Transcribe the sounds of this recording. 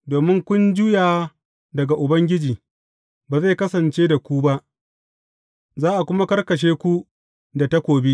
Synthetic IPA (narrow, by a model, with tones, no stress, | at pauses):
doː˨mɪ˦ŋkʷʊ˦nd͡ʒʊ˦jaː˨ | dɐ˨ɡa˨ʔʊ˨bɐ˦ŋɡʲɪ˦d͡ʒiː˨ | baː˨za˦˨kɐ˦sɐ˨nt͡ʃeː˦da˨kʷu˦ba˦ʔ | zaː˦ʔa˨kʷʊ˦ma˦kɐ˦rkɐ˨ʃ̬eː˦kʷu˦ | da˨ta˦kʷoː˨bi˦ʔ